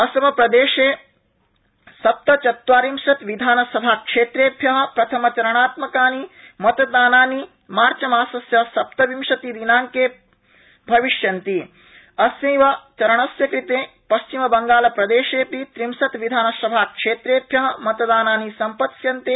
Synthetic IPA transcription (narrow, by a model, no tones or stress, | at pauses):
ɐsɐmɐpɾɐd̪eːʃeː | sɐp̚t̪ɐt͡ʃɐt̪ʋaːɾimʃɐt̪ʋid̪ʱaːnɐsɐbʱaːkʂeːt̪ɾeːbʱjɐɦɐ̆pɾɐt̪ʰɐmɐt͡ʃɐɾɐɳ̃aːt̪mɐkaːnimɐt̪ɐd̪aːnaːni | maːɾt͡ʃɐmaːsɐsjɐsɐp̚t̪ɐʋimʃɐt̪id̪inaːŋkeː | bʱɐʋiʃjɐnt̪i | ɐsĩːʋat͡ʃɐɾɐɳ̃ɐsjɐkɾit̪eː | pɐʃt͡ʃimɐbɐŋɡaːlɐpɾɐd̪eːʃeːpit̪ɾimsɐt̪ʋid̪ʱaːnɐsɐbʱaːkʂeːt̪ɾeːbʱjɐɦɐ̆mɐt̪ɐd̪aːnaːnisɐmpɐt̪sjɐnt̪eː